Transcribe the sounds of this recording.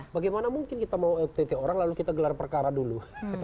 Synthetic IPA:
baɡajmanamuŋkɪnkit̪amawɛt̪et̪eoɾaŋlalukit̪aɡəlarpərkaɾadulu

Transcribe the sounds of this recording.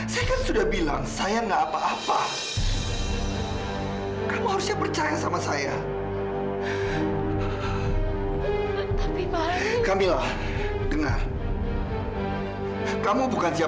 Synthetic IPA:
sajakansudahbilaŋsajaŋɡaːpaːpa | kamuhaɾʊsɲapərt͡ʃajasamasaja | t̪api | kamilah | dəŋa̰r | kamubukansia

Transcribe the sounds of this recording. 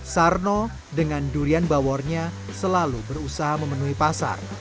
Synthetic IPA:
sarno | dəŋanduɾianbawɔrɲa | səlalubəɾusaɦaməmənuɦipasa̰r

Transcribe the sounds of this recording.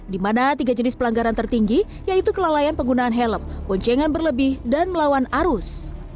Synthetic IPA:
dimanat̪iɡad͡ʒənɪspəlaŋɡaɾant̪ərt̪iŋɡi | jait̪ukəlalajanpəŋɡunaːnɦɛləmpɔɲt͡ʃɛŋanbərləbɪhdanməlawanaɾʊs

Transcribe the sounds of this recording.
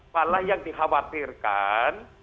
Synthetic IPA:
malahjaŋdiɦawat̪irkan

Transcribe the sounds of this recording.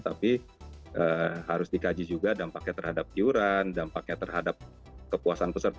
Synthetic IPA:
t̪apiʔəːɦaɾʊsdikad͡ʒid͡ʒuɡadampak̚ɲat̪ərhadap̚t̪iuɾandampak̚ɲat̪ərɦadap̚ | kəpuasanpəsərt̪

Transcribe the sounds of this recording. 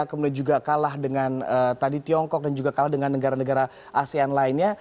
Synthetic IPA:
kəmudiand͡ʒuɡakalahdəŋanət̪adit̪iɔŋkɔk̚dand͡ʒuɡakalahdəŋanːəɡaɾanəɡaɾa | ʔasianlaɪnɲa

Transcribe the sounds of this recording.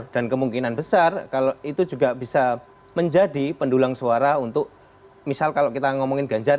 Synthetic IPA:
d̥ankəmuŋkinanbəsarkaloit̪ud͡ʒuɡab̥isa | məɲd͡ʒadipəndulaŋsuaɾaunt̪ʊk̚ | misalkalokit̪aŋɔmɔŋɪnɡaɲd͡ʒa

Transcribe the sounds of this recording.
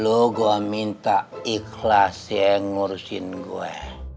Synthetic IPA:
luɡuamint̪aikʰlasɛŋursḭnɡuɛ̰

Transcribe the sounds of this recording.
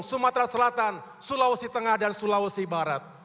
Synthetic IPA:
ŋsumat̪ɾasəlat̪an | sulausit̪əŋahdansulausibaɾat̪̚

